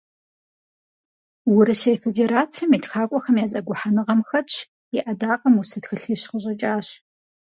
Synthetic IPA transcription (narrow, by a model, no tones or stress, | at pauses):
wʊɾɨsejfedeɾaːt͡sʰiɐmitxaːkʷʼɔxɐmjaːzʼɐɡʷʊħanɨʁɐmxɐt͡ʃʰ | ɪʔɐdaːqʼɐmusɨtxɨɬiːɕqəʑʼɐt͡ʃʼaːɕ